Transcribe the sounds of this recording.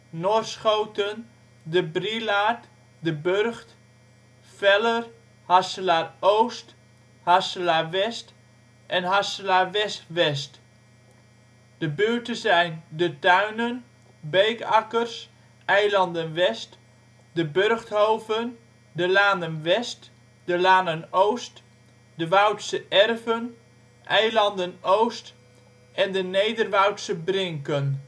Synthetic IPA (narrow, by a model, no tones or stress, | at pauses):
nosχowtən | dəbrilaːt | dəbørχt | fɛlər | hasəlarowst | hasəlaːʋɛst | ʔɛnɦasəlaːʋɛstʋɛst | d̥əbyːɹtəzɛjndətœɥnən | beɥkakərs | ʔɛjlɑndənʋɛst | dəbørχthowvən | dəlaːndənʋɛst | dəlaːnənowst | dəʋœwtsəʔɛrvən | ʔɛjlɑndənowst | ʔɛndənejdərʋawtsəbrɪŋkən